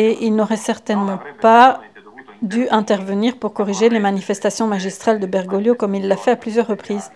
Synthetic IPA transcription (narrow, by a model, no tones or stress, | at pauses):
eʔilnɔʁɛsɛʁt̪ɛnmɑ̃pa | d̪yʔɛ̃t̪ɛʁvəniʁpuʁkɔʁiʒelemanifɛst̪asjɔ̃maʒist̪χald̪əbɛʁɡɔljokɔmilːafɛaplyzjœʁːəpχiːz